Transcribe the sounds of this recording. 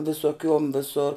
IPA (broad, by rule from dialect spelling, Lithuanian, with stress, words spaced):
ʋʲɪsoːˈkʲuɔm ʋʲɪˈsoːr